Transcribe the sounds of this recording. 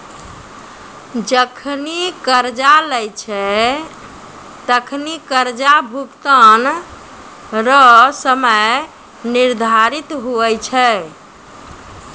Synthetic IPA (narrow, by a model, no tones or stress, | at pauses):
d͡ʒəkʰnikəɾd͡ʒalɛjt͡ʃʰɛ | t̪əkʰnikəɾd͡ʒabʱukt̪ən | ɾəsəməj | niɾd̪ʱaɾit̪ɦuɛt͡ʃʰɛ